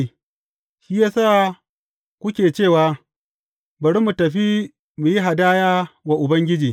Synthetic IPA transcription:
ʃiː˦jaː˦saː˦˨ | kʷʊ˦kʲeː˨t͡ʃeː˦˨waː˨ | bɐ˨ɾi˦mu˨tɐ˨ɸi˦ | mu˨ji˦ɦa˨daː˦jaː˦wa˨ʔʊ˨bɐ˦ŋɡʲɪ˦d͡ʒiː˨

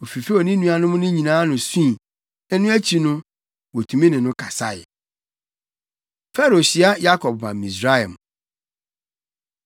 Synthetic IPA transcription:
o˨fi˨fe˦o˨nĩ˦nũ˦a˨nʊ̃˦mʊ̃˦nɪ̃˦ɲĩ˨nãː˨˦nʊ̃˨sĩ˦˨ | ɛ˦nʊ̃˦æ˦t͡ɕʰi˨nʊ̃˦ | wo˨tʰũ˨mĩ˦nɪ̃˨nʊ̃˦kʰa˨sa˦˨jɪ̰˨ | fɛ˦ɾo˨ɕi˦a˦ja˦kʰɔ˨b̚mã̰˨mĩ˨sɾa˦jã̰˨m

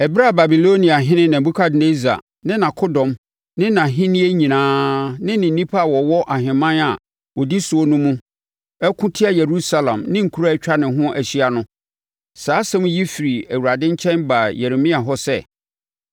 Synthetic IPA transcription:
ɛ˨bɪ˦ɾa˦˨ba˨bi˨lo˦nĩ˨a˨ɦɪ̃˦nɪ̃˦nã˨m˨bu˦kʰa˦dne˦za̰˨ | nɪ̃˦nã˨kʰo˦dɔ̃˨m | nɪ̃˦nã˨ɦɪ̃˦nĩ˦e˦ɲĩ˨nãː˦nɪ̃˦nɪ̃˨n˦nĩ˦pʰa˦a˨wɔ˨wɔ˦ʔa˨ɦɪ̃˨mã˦na˨ | wɔ˨di˦sʊ˨o˦nʊ̃˦mũ˦ | ɛ˦kʰʊ̃˦tʰɪ˦a˦je˨ɾu˦sa˨lã̰˨mnɪ̃˦ŋ̩˨kʰu˦ɾa˦t͡ɕᶣa˦nɪ̃˨ɦʊ̃˦ʔæ˨ɕi˦a˨nʊ̃˦ | saː˨˦sɛ̃˦mũ˦ji˦fi˨ɾi˨æ˨wu˨a˨dɪ̃˦ɲ˦t͡ɕʰɛ̃˦nba˨jɛ˨ɾe˨mĩ˦a˨ɦɔ˦sɛ̰˦˨

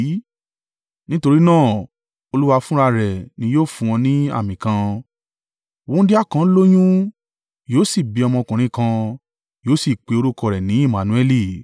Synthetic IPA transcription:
nĩ˦to˧ɾi˦nãː˦˨ | o˧lu˦wa˧fũ˦ɾa˧ɾɛ˨nĩ˧˦joː˦˨fũ˧w̃ɔ̃˧nĩ˦a̰˦˨mĩ˨kã˧ | wõ˨˦di˦a˦˨kã˧˦lo˦j̃ũ˦ | joː˦si˦˨bi˨˦ɔ˧mɔ̃˧kũ˨ɾ̃ĩ˧˦kã˧ | joː˨˦si˦˨k͡pe˨˧o˧ɾu˦kɔ˧˨ɾɛ˨nĩ˨˦i˦˨mã˨nũ˧ɛ˦li˦˨

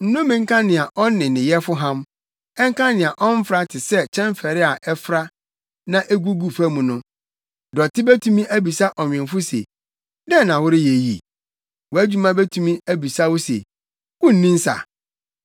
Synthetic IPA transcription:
n̩˦nʊ̃˦mɪ̃˨ŋ̩˦kʰã˦nɪ̃˨a˨ʔɔ˦n˦nɪ̃˨nɪ̃˨jɛ˦fʊ˦ɦã˦m | ɛ˦ŋ˦kʰã˦nɪ̃˨a˨ʔɔ̃˦m˦fɾa˦tʰɪ˨sɛ˦t͡ɕʰɛ̃˦mfɛ˨ɾɪ˦a˨ʔɛ˦fɾa˦ | nã˦ʔe˦ɡu˦ɡu˨fæ˦mũ˨nʊ̃˦ | dɔ˨tʰɪ˦bæ˦tʰũ˦mĩ˦ʔæ˦bi˨sa˦ʔɔ˨ɲᶣ˨ɪ̃˨nfʊ˦sḛ˨ | dɛ̃˦˨nã˨wʊ˦ɾɪ˦je˨jḭ˨ | wɔ˨æ˦d͡ʑᶣu˦mã˦be˦tʰũ˦mĩ˦æ˦bi˨sa˦wɔ˦sḛ˨ | kʊ˦n̩˦nĩ˦n̩˦sa̰˨

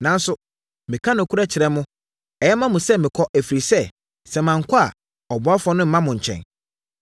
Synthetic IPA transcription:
nã˨n̩˦sʊ˨ | mɪ̃˨kʰã˦nʊ̃˨kʰu˦ɾa˦t͡ɕʰɪ˨ɾɛ˦mʊ̃˦ | ɛ˨jɛ˦mã˦mʊ̃˨sɛ˦mɪ̃˨kʰɔ˦ʔæ˨fi˨ɾi˨sɛ˦ | sɛ˨mã˨ŋ̩˨kʰʷɔ˦a˨ | ɔ˨bɔ˨˦a˦fɔ˦nʊ̃˦m̩˦mã˦mʊ̃˨ɲ̩˨t͡ɕʰɛ̰̃˨n

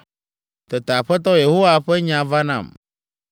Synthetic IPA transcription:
t̪e˨t̪a˨ɸɛ˦t̪̬ɔ˦je˨ɦo˦wa˦ɸɛ˦ɲã˨va˦nã̰˨m

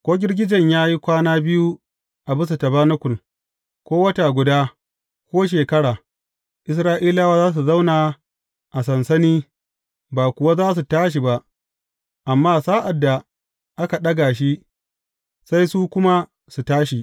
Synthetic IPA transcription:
kʷoː˦ɡʲɪ˦rɡʲɪ˦d͡ʒɐ˨ɲjaː˦ji˦kʷaː˦naː˦bɪ˦ju˦ | ʔa˨bʊ˦s̬u˨tɐ˨ba˦nʊ˦kʷʊ˨l | kʷoː˦wɐ˦ta˨ɡʷʊ˨daː˦ | kʷoː˦ʃ̬eː˨kɐ˦ɽaː˨ | ʔɪ˦s̬ɾaː˦ʔiː˦laː˦waː˦zaː˦s̬u˨za˦wnaː˨ | ʔa˨sɐ˨nsɐ˦niː˦ | baː˨kʷʊ˨wa˦zaː˦s̬u˨taː˦ʃ̬i˨ba˦ʔ | ʔa˨mːaː˦saː˦ʔa˨dːa˨ | ʔa˦ka˨ɗɐ˦ɡaː˨ʃ̬i˦ | sa˦jsu˦kʷʊ˦ma˦ | su˨taː˦ʃi˨

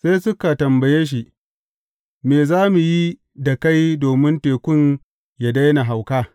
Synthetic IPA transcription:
se˦jsʊ˦ka˨tɐ˨mbɐ˨jeː˦ʃ̬i˨ | meː˨zaː˦mu˨ji˦ | da˨ka˦jdoː˨mɪ˦nteː˨kʷʊ˦n | ja˨da˦jna˨ɦa˨wkaː˦

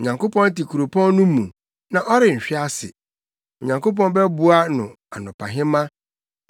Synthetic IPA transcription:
o˨ɲã˨ŋko˦pɔ̃˦n˦ti˨kʰu˨ɾo˨pʰɔ̃˦n˦nʊ̃˦mũ˨ | nã˨ʔɔ˦ɾɪ˨ɲ̩˨ɕᶣɪ˦a˦sɪ̰˨ | o˨ɲã˨ŋko˦p̬ɔ̃˦n˦bɛ˦bu˦a˦nʊ̰̃˨ | a˨nʊ̃˨pʰa̰˨ɦɪ̃˦mã˦

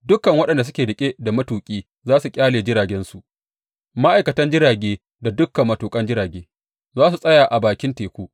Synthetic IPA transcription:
dʊ˦kːɐ˨ŋwɐ˦ɗɐ˨nda˨s̬ʊ˦kʲeː˨dɪ˨kʲʼeː˦da˨mɐ˦tuː˨kʲʼiː˦ | zaː˦su˨kʲʼaː˦leː˨d͡ʒɪ˦ɾaː˨ɡʲɛ˦nsu˨ʔ | ma˦ʔa˨jkɐ˨tɐ˦nd͡ʒɪ˦ɾaː˨ɡʲeː˦ | da˨dʊ˦kːɐ˨mːɐ˨tuː˨kʼɐ˦nd͡ʒɪ˦ɾaː˨ɡʲeː˦ | zaː˦su˨sʼɐ˦jaː˨ʔa˨baː˨kʲɪ˦nteː˨kʷuː˦ʔ

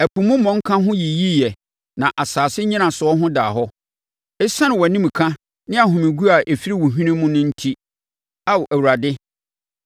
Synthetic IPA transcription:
æ˨pʰũ˨mʊ̃˦mɔ̃˨ŋ̩˦kʰã˦ɦʊ̃˦ji˨ji˦jɛ˨ | nã˨ʔa˨saː˨sɪ˦ɲĩ˦nã˨sʊ˨ɔ˦ɦʊ̃˦daː˨ɦɔ˦ | ɪ˦sã˦nɪ̃˨wɔ˨nĩ˦m˨kʰã˦ | nɪ̃˦a˨ɦʊ̃˨mɪ̃˨ɡu˦a˨ʔe˨fi˦ɾi˦wʊ˨ɦᶣĩ˦nĩ˦mʊ̃˦nʊ̃˦n̩˦tʰi˦ | a˦wʔæ˨wu˨ɾa˨dɪ˦

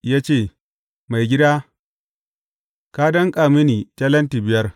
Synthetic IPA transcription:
jaː˦t͡ʃeː˦˨ | ma˨jɡʲɪ˦daː˦ | ka˦dɐ˦ŋkʼaː˨mɪ˦niː˨tɐ˦lɐ˦nti˨bɪ˨jɐ˦r

